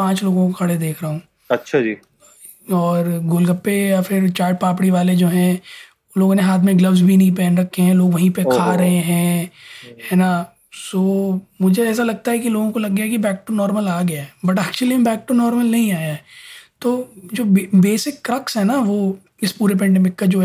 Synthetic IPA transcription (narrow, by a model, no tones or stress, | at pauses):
ãːt͡ʃloːɡõkokʰɐɽed̪eːkʰɾɐɦũː | ɐtːʃʰad͡ʒḭː | ɔːɾɡʊlɡɐpːejafʰɪɾt͡ʃaːʈ̚paːp̬ɽiʋaːled͡ʒoːɦɛ̃ | loːɡõneɦaːt̪ʰmẽɡlɐʋzbʱinɐɦĩpɛ̃ːnɾɐkʰːeɦɛ̃loːɡʋɐɦĩpekʰaːɾɐɦeɦɛ̃ | hɛːna | soːmʊd͡ʒʱeɛːs̬alɐɡ̚t̪aɦɛkiloːɡõkolɐɡːjakibɛːk̚ʈonɔːɾməlaːɡɐjaɦɛbɐʈɛːk̚t͡ʃuəlimẽbɛːk̚ʈonɔːɾməlnɐɦĩaːjaɛt̪oːd͡ʒoːbebeːsɪkːɾɐksɦɛnaʋo | ɪspuːɾep̬ɛ̃ːɳɖeːmɪkːad͡ʒoːɦ